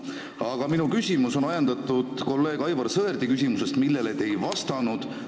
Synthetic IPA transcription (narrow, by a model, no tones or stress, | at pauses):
ɑɡ̥ɑminukysʲimuso̞nɑjɑnd̪ɑt̪ːud̪̥ko̞lːe̞ːɡ̥ɑjvɑrsɤerd̪̥ikys̬ʲimuse̞st̪milːelet̪ːe̞jvɑst̪ɑnud̪̥